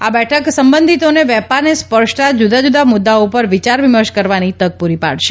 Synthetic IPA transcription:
abɛʈʰəksəmbənd̪ʱit̪oneʋɛpaɾnespəɾʃt̪ad͡ʒud̪ad͡ʒud̪amʊd̪ːaopəɾʋit͡ʃaɾʋiməɾʃkəɾʋanit̪əɡ̚puɾipa̰ɽʃe

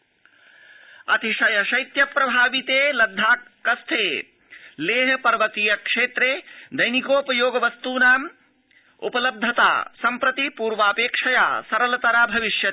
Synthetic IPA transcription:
ɐ̰t̪iʃɐjɐʃɐjt̪jɐpɾɐbʱaːʋit̪eːlɐd̪ʱːaː | kɐst̪ʰeː | leːɦpɐɾʋɐt̪ijɐkʂeːt̪ɾed̪ɐjnikoːpɐjoːɡɐʋɐst̪uːnaːm | ṵpɐlɐb̚d̪ʱɐt̪a̰ːsɐmpɾɐt̪ipuːɾʋaːpeːkʂɐjaːsɐɾɐlɐt̪ɐɾabʱɐʋiʃjɐ

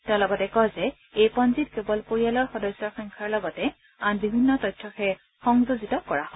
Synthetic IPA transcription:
tɛʊ̃lɔɡɔtɛkɔjzɛ | ejpɔnzitkebɔlpoɹialɔɹxɔdɔsɔɹxɔŋkʰaɹlɔɡɔtɛ | anbibʱinːɔtɔjtʰːɔxɛ | xɔŋzozitɔkɔɹahɔ

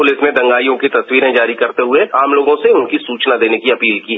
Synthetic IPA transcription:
ʊlɪsmẽd̪ɐ̃ŋɡaːijõkit̪ɐswiːɾẽd͡ʒaːɾikɐɾt̪eɦʊeaːmloːɡõseʊnkisuːt͡ʃnad̪eːnekiɐpiːlkiɦɛ

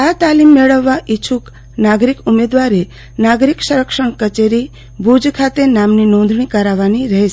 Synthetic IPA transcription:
at̪alimːeɭəʋːaʔit͡ʃʰuk | naɡɾikumed̪ʋaɾe | naɡɾiksəɾəkʃəɳ̃kət͡ʃeɾi | bʱud͡ʒkʰat̪enamninɔ̃nd̪ʱɳ̃ikəɾaʋaniɾəɦet͡ʃe

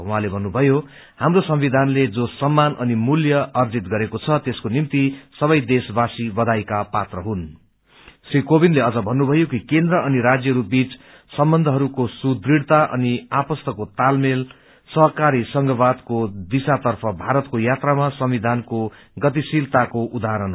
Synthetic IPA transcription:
uɦãlebʱʌnːubʱʌjo | hamrosʌmbid̪ʱanled͡zosʌmːanʔʌnimuljʌʌrd͡zit̪̚ɡʌɾekot͡sʰʌt̪eskonimt̪isʌβʌjd̪esbasibʌd̪ʱajkapat̪rʌɦun | srikobinleʌd͡zʌbʱʌnːubʱʌjokikend̪rʌʌniɾad͡zjʌɦʌɾubit͡s | sʌmbʌnd̪ʱʌɦʌɾukosud̪riɽt̪aʔʌ̰niapʌst̪ʌkot̪almel | sʌɦʌkaɾisʌŋɡʌβad̪kod̪isat̪ʌrpʰʌbʱaɾʌt̪kojat̪ramasʌmbid̪ʱanko | ɡʌt̪̬isilt̪akoʔud̪aɾʌn

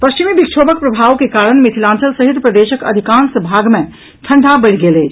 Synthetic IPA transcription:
pəst͡ʃimibikt͡ʃʰoːbək̚pɾəbʱaːʋkekaːɾənmet̪ʰilãːnsəlsəɦit̪pɾəd̪eːʃəkə̰d̪ʱikaːnsəbʱaːɡmẽ | ʈʰəɳɖʱabəɽɡeleːt͡ʃ

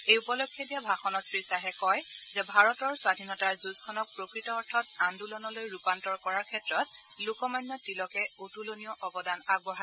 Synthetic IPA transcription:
ejupɔlokʰːjɔdijabʱaxɔnɔtsɹisaɦɛkɔjzɛbʱaɹɔtɔɹswadʱinɔtaɹzuskʰɔnɔk̚pɹokɹitɔːɹtʰɔtandulɔnɔlojɹupantɔɹkɔɹaɹkʰɛtɹɔt̚lukɔmajnːɔtilɔkɛotuloniɔʔɔbɔdanaɡ̚bɔɦa

